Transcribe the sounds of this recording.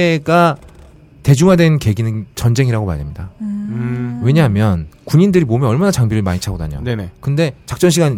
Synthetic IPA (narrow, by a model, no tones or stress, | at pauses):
eɡa | te̞d͡ʑuŋɦadwe̞nke̞ɡinɯnt͡ɕʌnd͡ʑe̞ŋiɾaɡoma̰jdemɲida | we̞ɲaɦmjʌnkuɲindɯɾimomjʌʌɭmanat͡ɕaŋbiɾɯɭmaɲit͡ɕʰaɡoda̰ɲo̰nkɯnde̞t͡ɕak̚t͡ɕ͈ʌnɕʰiɡan